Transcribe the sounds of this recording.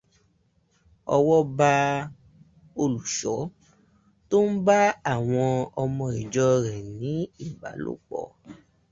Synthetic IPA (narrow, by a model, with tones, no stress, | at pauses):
ɔ˧wɔ˦ba˧ | o˧lu˨ʃɔ˨˦ | to˦n̩˦ba˦a˦˨w̃ɔ̃˧ɔ˧mɔ̃˧i˨d͡ʒɔ˦ɾɛ˨nĩ˨˦i˦˨ba̰˨˦lo̰˦˨k͡pɔ̰˦˨